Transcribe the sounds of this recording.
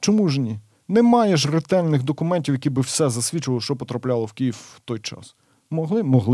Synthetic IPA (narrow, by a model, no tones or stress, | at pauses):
t͡ʃɔmuʒnʲi | nɛmɑjeʃrɪt̪ɛlʲnɪxd̪ɔkʊmɛnʲtʲiwjɐkʲibɪwsɛzɐsʲʋʲit͡ʃʊʋɐlˠɔʃt͡ʃɔpɔt̪ɾɐplʲɑlˠɔwkʲijiwt̪ɔjt͡ʃɑ̰s | mɔɦlˠɪmɔɦlˠ